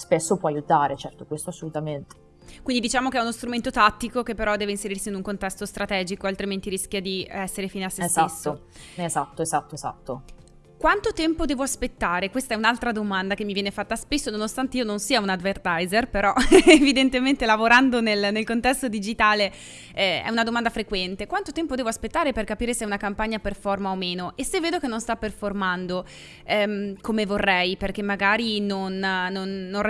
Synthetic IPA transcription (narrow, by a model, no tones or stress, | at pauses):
spesːopwɔajut̪aːɾet͡ʃɛrt̪okwest̪oasːolut̪ament̪e̥ | kwind̪id̪it͡ʃaːmok̟eɛunost̪ɾument̪ot̪at̪ːikokepːeɾɔd̪ɛːveinseɾirsiːnuŋkont̪ɛst̪ost̪ɾat̪ɛːd͡ʒikoalt̪ɾiment̪iɾiskjad̪iɛsːeɾefiːneasːessaesːoezat̪ːoezat̪ːoeza̰t̪ːo | kwant̪ot̪ɛmpod̪ɛːvoaspet̪ːaːɾekwest̪aɛunalt̪ɾad̪omand̪ak̟emːivjɛːnefat̪ːaspesːononost̪ant̪eiononsiːaunad̪vert̪ajzerpeɾɔevid̪ent̪ement̪elavoɾand̪onelnelkont̪ɛst̪od̪id͡ʒit̪aːle | ɛɛ̰unad̪omand̪afɾekwɛnt̪ekwant̪ot̪ɛmpod̪ɛːvoaspet̪ːaːɾeperkapiːɾesɛunakampaɲːaperfɔrmaomeːnoʔesːevːeːd̪okenːonst̪apːerformand̪o | ɛmkomevorːɛjperk̟emːaɡaːɾinonːonːon